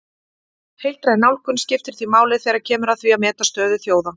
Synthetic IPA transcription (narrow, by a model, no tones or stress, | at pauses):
hejlt̪ɾajnawlkʏnscɪft̪ɪɾ̥θimaːwlɪθɛːɣɾaɾcʰɛːmʏɾaðθviamɛːt̪ast̪œːðʏθjoːwða